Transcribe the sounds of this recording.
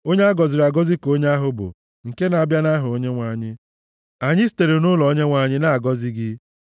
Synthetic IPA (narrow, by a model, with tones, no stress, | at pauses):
o˦ɲe˦a˦ɡɔ˨zɪ˨ɾa˨ɡɔ˦zi˦ko˦ɲe˦a˦ɦʊ˦bʊ̰˨ | ŋ̩˨ke˦na˨bja˦na˦ɦʊ˨o˦ɲe˦ŋʷa˨ɲɪ˦ | a˨ɲɪ˦s̬i̥˦te˨ɾe˨nʊ˦lɔ˨ɔ˦ɲe˦ŋʷa˨ɲɪ˦na˦a˨ɡɔ˦zɪ˦ɡɪ˦